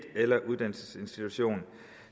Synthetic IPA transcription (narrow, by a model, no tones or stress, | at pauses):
d̥elɐʔuðˠd̥æn̰l̩səse̝nsd̥it͡sʰuɕo̝̰ːn